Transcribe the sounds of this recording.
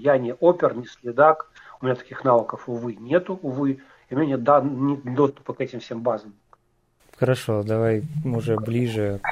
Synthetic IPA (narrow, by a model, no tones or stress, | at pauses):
janʲɪʔopʲɪrnʲɪsʲlʲɪd̪ak | ʊmʲɪnʲat̪ɐ̥kʲixnavəkəfʊvɨnʲet̪ʊʊvɨ | ɪʊmʲnʲanʲed̪anʲɪd̪o̞st̪ʊ̥pəkɛtʲɪmfsʲembazəm | xəɾɐʂo̞d̪ɐvajʊʐɛblʲiʐɨ